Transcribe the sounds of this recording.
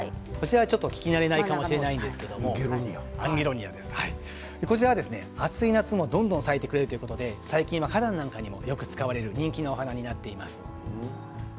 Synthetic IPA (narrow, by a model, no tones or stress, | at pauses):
kot͡ɕiɾaβat͡ɕo̞t̪ːo̞kʲi̥kʲinaɾe̞naikamo̞ɕiɾe̞naĩnd̪esɨ̥keed̪o̞moɡɾɲãŋɡe̞ɾo̞ɲ̟ia̰d̪e̞sɨ̥hai | d̪ekot͡ɕiɾaβad̪e̞sɨneat͡sɨinat͡sɨmo̞d̪õ̞nd̪õsaet̪e̞kɯ̟ɾe̞ɾɯt̪ojɯko̞t̪od̪e̞saikʲĩɰ̃βakad̪ãnːãŋkaɲ̟imo̞̰jo̞kɯ̟t͡sɨ̥kaβaɾe̞ɾɯ̟ɲ̟ĩŋkʲino̞ohanaɲ̟inat̪ːe̞imasɨ̥